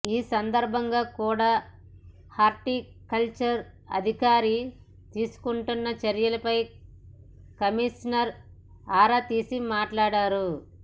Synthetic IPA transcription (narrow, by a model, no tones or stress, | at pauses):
iːsɐnd̪ɐɾbʱɐŋɡaːkuːɽaː | haːɾʈi | kɐlt͡ʃɐɾ | ɐ̰d̪ʱikaːɾi | t̪iːsu̥kuɳʈunːɐt͡ʃɐɾjɐlɐpɐj | kɐmiʂnɐɾ | aːɾaːt̪iːsimaːʈlaːɽaːɾu